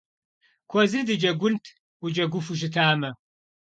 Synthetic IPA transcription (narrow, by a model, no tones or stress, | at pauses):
kʷʰɔzɨdɨd͡ʒɐɡʷʊntʰ | ud͡ʒɐɡʷʊfuʃ̬ɪtʰaːmɐ